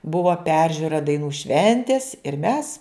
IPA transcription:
ˈbʊʋɐ ˈpʲɛrʲʒʲʊrɐ dɐɪˈnuː ˈʃʲʋʲɛnʲtʲeːs ɪr mʲɛs

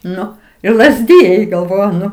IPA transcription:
ˈnʊ ɪr lˠɐzʲˈdʲɪjɛɪ ɡɐlˠˈʋoːjʊ ˈnʊ

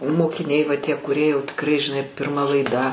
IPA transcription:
moːkʲɪˈnʲɛɪ ʋɐ tʲiɛ kʊˈrʲiɛ jɛʊ tʲɪkˈrɐɪ ʒʲɪˈnɐɪ pʲɪrˈmɐ lˠɐɪˈdɐ

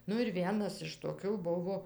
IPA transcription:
ˈnʊ ɪr ˈʋʲiɛnɐs ɪʃ toːˈkʲuː ˈbʊʋoː

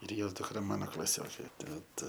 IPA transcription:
ɪr ˈjoːs dʊkˈrɐ ˈmɑːnoː klˠɐˈsʲoːkʲeː ˈtɐt

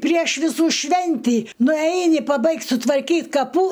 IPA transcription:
pʲrʲiɛʃ ʋʲɪˈsuː ˈʃʲʋʲɛnʲtʲiː nʊˈɛɪnʲɪ pɐˈbɐɪktʲ sʊtʋɐrʲˈkʲiːt kɐˈpuː

